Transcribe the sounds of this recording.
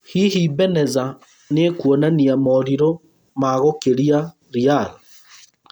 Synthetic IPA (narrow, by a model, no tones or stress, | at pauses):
hihibɛnɛza | nekwonaniamɔɾiɾo | maɣokeɾia | ɾiala